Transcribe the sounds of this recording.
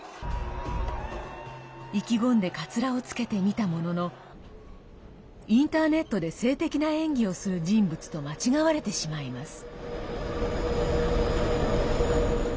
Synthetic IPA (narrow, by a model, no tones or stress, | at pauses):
ikʲiɡõ̞nd̪e̞kat͡sɨɾao̞t͡sɨ̥ke̞t̪e̞mʲit̪amo̞no̞no̞ | ĩnt̪aːne̞t̪ːo̞d̪e̞se̞ːt̪e̞kʲinaẽ̞ŋɡʲio̞sɨɾɯ̟ʑĩmbɯ̟t͡sɨ̥t̪o̞mat͡ɕiɡaβaɾe̞t̪e̞ɕimaimasɨ̥